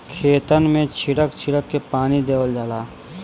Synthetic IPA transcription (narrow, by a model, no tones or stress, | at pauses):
kʰeːt̪ənmẽt͡ʃʰɪɽəkt͡ʃʰɪɽəkːepaːnid̪eːwəld͡ʒaːlaː